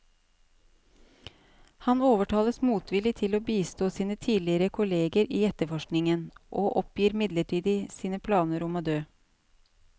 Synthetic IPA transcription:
hɑnoːʋəʈʰɑːləsmuːt̪ʋɪlɪt̪ʰɪloːbiːst̪oːsiːnət̪ʰiːlɪəɾəkʰʊleːɡəɾiːɛt̪əfɔʃknɪŋənʔoːʔɔpjiːɾmɪd̪ləʈʰiːd̪ɪsiːnəpʰlɑːnəɾɔmoːd̪øː

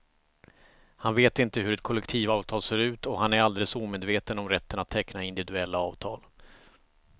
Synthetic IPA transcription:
hanveːt̪ɪnt̪əɦɵɾɛt̪̚kʰɔlːɛkt̪ʰiːvɑːvt̪ʰɑːlseːɾʉ̟ːt̪ɔɦanæɾald̪eːləsuːmeːd̪veːt̪ənɔmɾɛt̪ːənat̪ʰːɛknaɪnd̪ɪvɪd̪ɵɛlːaɑːvt̪ʰɑːl

